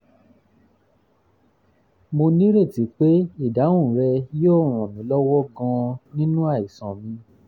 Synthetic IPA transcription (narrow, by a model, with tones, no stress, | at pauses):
mo˧nĩ˦ɾe˦˨ti˨˦k͡pe˦i˦˨da˨˦w̃ũ˦˨ɾɛ˧joː˦˨ɾ̃ɔ̃˨mĩ˨˦lɔ˦wɔ˦ɡã˧nĩ˦nũ˦a˦˨i˨sã˨mĩ˧